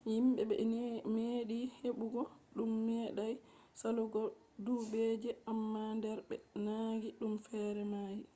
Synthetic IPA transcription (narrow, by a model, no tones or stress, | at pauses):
himɓɛɓɛ̰meɗiheɓuɡɔɗumːɛːɗaj | saluɡɔ | dubed͡ʒɛamːandɛɾɓɛ̰naːɡiɗumfɛɾɛmaːji